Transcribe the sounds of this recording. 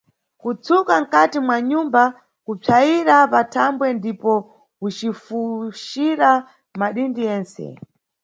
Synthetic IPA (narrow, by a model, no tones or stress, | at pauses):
kut͡sʰukaŋ̩katimwaɲumba | kup͡ʂʰaiɾapatʰambwɛndipɔ | ut͡ʃifuʃiɾa | maɗindijɛːnsɛ̰